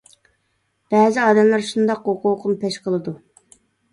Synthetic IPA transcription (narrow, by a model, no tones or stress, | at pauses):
b̥ɛːzɪɑːd̪ɛmlˠɑɾʃund̪ɑqoqʰuqʊnpeʃqʰəlˠɨd̪u